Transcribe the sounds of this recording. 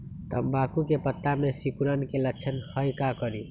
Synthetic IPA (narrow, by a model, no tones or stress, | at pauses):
t̪ə̰mbakukepət̪ːamesikuɾənkelət͡ʃʰənhəjkakəɾi